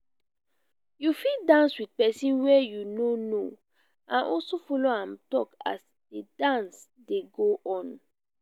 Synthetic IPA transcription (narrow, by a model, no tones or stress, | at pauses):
jufildãnswidpɛsĩnwɛjunono | ãnʔɔlsofɔloãmtɔka̰s | d̥edãns | deɡoʔɔ̃n